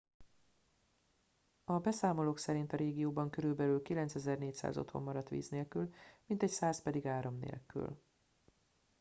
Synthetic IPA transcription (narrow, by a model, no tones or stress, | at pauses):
ɒbɛsaːmo̞loːksɛɾint̪ɒɾeːɡijoːbɒŋkøɾylbɛlylkilɛnt̪sɛzɛrneːcsa̰ːzo̞̰t̪ho̞̰mːɒɾɒt̪ʋḭːzneːlkylmint̪ɛcsaːspɛd̪iɡaːɾo̞mnḛːlky̰l